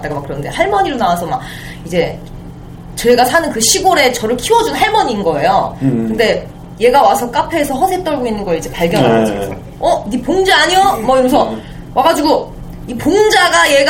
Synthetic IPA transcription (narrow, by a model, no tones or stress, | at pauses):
t͈aɡamakɯɾʌnɯnde̞haɭmʌɲiɾonawasʰʌmak̚ | id͡ʑe̞ | t͡ɕʌɡasʰanɯnkɯɕʰiɡoɾe̞t͡ɕʌɾɯɭkʰiwʌd͡ʑunnɦaɭmʌɲiːnɡʌe̞jokɯnde̞ | je̞ɡawasʰʌk͈apʰeːsʰʌɦʌsʰet͈ʌɭɡoinːɯnɡʌid͡ʑe̞paɭɡjʌnɦaad͡ʑisʰʌ | ʌnipoŋd͡ʑaaɲijʌmʌjoɡs̬ʰʌ | wʔaɡad͡ʑiɡo | ipoŋd͡ʑaɡaje̞ɡ